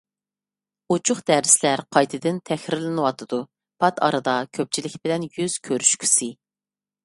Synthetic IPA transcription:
ut͡ʃʰuχd̪æɾɪslæɾqʰɑjt̪ʰɨd̪ɪnt̪ʰɛxɾɪɾlɪnɨwɑt̪ʰɨd̪u | pʰɑt̪ʰɑ̰ɾɨd̪ɑkʲʰøp̚t͡ʃʰilɪkʲbɪlɛnjyz̥kʲʰøɾyʃkʲʰy̥si

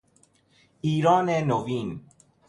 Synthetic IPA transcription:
iːɾɔːnenoviːn

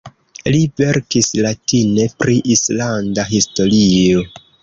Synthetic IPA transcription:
live̞ɾkislatine̞pɾiʔislandaɦisto̞ɾio̞

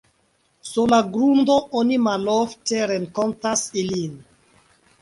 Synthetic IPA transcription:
suɾlaɡɾundo̞ʔonimalofteɾeŋkontasilin

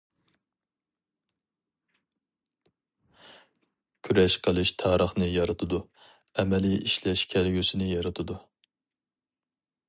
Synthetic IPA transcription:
kʲʰyɾɛʃqʰəlˠɨʃt̪ʰɑːɾəχnɨjɑɾɨt̪ʰɨd̪u | ɛmɛliiʃlɛʃkʲʰɛlɡʲysɪnɨjɑɾɨt̪ʰɨd̪u

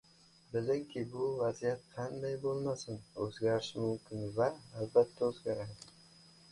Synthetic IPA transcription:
bɪlɪŋkʲʰɪbʊvazijat̪̚qʰɑnd̪ajbolˠmasɪnɵzɡʲaɾɪʃmʊmkʲʰɪnvaːlbat̪ʰːaɵzɡʲaɾad̪ɪ

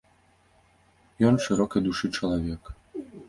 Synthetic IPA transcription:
jɔnʂɨɾɔkɐjd̪uʂɨt͡ʂɐlˠavʲɛk

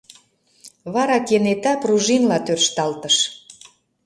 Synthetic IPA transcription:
βɑɾɑkenet̪ɑpruʒinlɑt̪ørʃt̪ɑlt̪əʃ

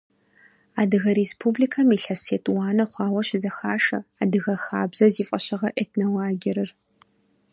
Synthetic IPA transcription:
aːdɨɣɐɾespʰubliːkʰɐmiːɬɐseːtʼwaːnɐχʷɑːwɐɕɪzɐxaːʂɐ̰aːdɨɣɐxaːbz̥ɐziːfʼɐɕɐʁɐʔetʰnɐwaːɡʲɪɾɨr

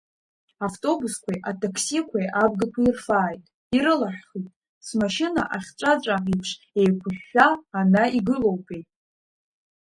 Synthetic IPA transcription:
aftʼo̞buskʷʰajʔatʰʼakʰsikʷʰajʔab̚ɡakʷʰairfaːjtʼ | iɾɨlaħχitʼ | smaʃɪna̰ʔaχʲt͡ʃʷʼat͡ʃʷʼaipʰʂ | e̞jkʷʰʊħːaːnaiɡɨlo̞wpʼejtʼ

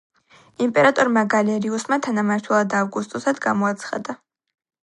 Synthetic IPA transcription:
impʼɛɾat̪ʼɔɾmaɡalɛɾiusmat̪ʰanamaɾt̪ʰɛlˠad̪avɡust̪ʼɔsad̪ɡamɔat̪sʰχa̰d̪a

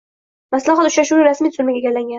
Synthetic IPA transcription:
maslahat̪ʊʃɾaʃuwaɾasmijt̪ʰzʊlmaɡʲaɡʲaɾlaŋɡʲan

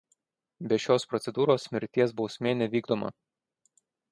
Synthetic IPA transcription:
bʲɛʃʲoːspɾɔt̪sʲɛd̪uːɾoːsmʲɪɾʲt̪ʲiɛsbɒʊsʲmʲeːnʲɛʋʲiːɡd̪oːmɐ̰

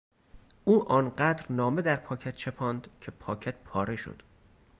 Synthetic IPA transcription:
uːʔɒːnɢæːd̪ɾnɒːme̞d̪æɾpʰɒːcʰæt̪̚t͡ʃʰepʰɒːnd̪cʰe̞pʰɒːcʰæt̪̚pʰɒːɾe̞ʃo̰d̪̥

